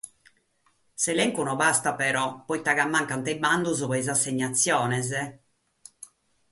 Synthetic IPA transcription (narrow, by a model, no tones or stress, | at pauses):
sɛlɛŋkunɔbast̪apɛɾɔpːɔjt̪aɣamːaŋkant̪ɛband̪uzuβɛjzasːeɲːat̪sːjɔːnɛzɛ